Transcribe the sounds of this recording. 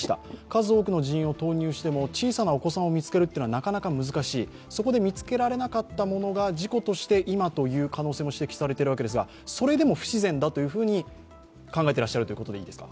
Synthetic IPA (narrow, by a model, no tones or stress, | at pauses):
i̥t̪a̰kazɨoːkɯ̟no̞ʑiĩo̞t̪o̞ːɲ̟ɨːɕi̥t̪e̞mo̞t͡ɕiːsanaoko̞sãɰ̃o̞mʲit͡sɨ̥ke̞ɾɯt̪eːnanakanakamɯzɨkaɕiː | so̞ko̞d̪e̞mʲit͡sɨ̥ke̞ɾaɾe̞nakat̪ːamo̞no̞ɡad͡ʑiko̞t̪o̞ɕi̥t̪e̞ʔimat̪o̞jɯ̟ːkano̞ːseːmo̞ɕi̥t̪e̞kʲi̥saɾe̞t̪eɾɯβake̞d̪es̬ɨɡa̰ | so̞ɾe̞d̪e̞mo̞ɸɯ̟̥ɕizẽ̞nd̪at̪o̞jɯ̟ːɸɯ̟ːɲ̟i | kãŋɡae̞t̪eɾaɕːaɾɯ̟t̪o̞jɯkot̪o̞d̪e̞ḭːd̪e̞sɨ̥ka̰